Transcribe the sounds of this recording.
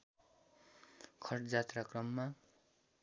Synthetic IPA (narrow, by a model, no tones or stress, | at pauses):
kʰʌrʈd͡zat̪rakrʌmːa